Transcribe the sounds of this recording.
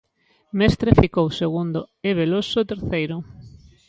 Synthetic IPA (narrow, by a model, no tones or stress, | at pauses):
mest̪ɾefikowseɣund̪oeβ̞elosʊt̪eɾθejɾʊ